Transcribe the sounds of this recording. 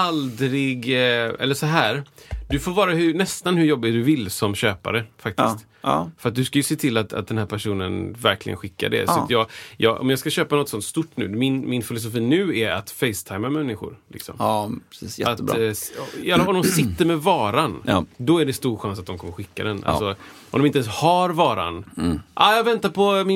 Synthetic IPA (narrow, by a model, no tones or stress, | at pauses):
ald̪ɾɪɡɛ̰lːəʂɔɦæːɾd̪ɵfoːɾvɑːɾahɵnɛst̪anhɵɾjɔbːɪt̪̚d̪ɵvɪlːsɔmɕøːpa̰ɾəfak̚t̪ɪst̪ː | fœɾat̪̚d̪ɵskajɵseːt̪ʰɪlːat̪a̰t̪̚d̪ɛnhæːɾpʰæʂuːnənvæɾklɪɡə̰nɧɪkːa̰ɖɛ̰sɔat̪ʰjɑːjɑ̰ːʔɔ̰mjɑːskaɕøːpanɔt̪ːsɔnt̪st̪ʊʈːnʉ̟̰ːmɪnmɪnfɪlʊs̬ʊfiːnʉ̟ːɛɾa̰t̪fɛɪst̪ʰajmamɛnːɪɧʊ̰ɾlɪ̰ksɔ̰mpːsjɛat̪ː | ɛlːafɔmd̪ɔmsɪt̪ːəɾmɛvɑːɾand̪ɔæɖɛst̪uːɾɧansat̪̚d̪ɔmkɔmːəɾɧɪkːa̰d̪ɛnʔa̰sɔ | ɔmd̪ɔmɪnt̪ɛnshaɾvɑːɾa̰nʔajɑvɛnt̪aɾpʰɔmɪ